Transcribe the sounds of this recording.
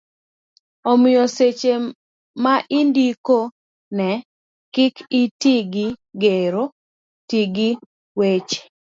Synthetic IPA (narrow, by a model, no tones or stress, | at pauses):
omɪjoset͡ʃe | maʔindiko | nɛ | kɪkʰitiɡiɡeɾo | tiɡi | wet͡ʃe̥